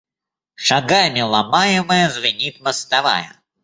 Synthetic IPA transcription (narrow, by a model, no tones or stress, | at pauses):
ʂɐɡamʲɪlˠɐmajɪməjəzvɪnʲit̪məst̪ɐva̰jə̰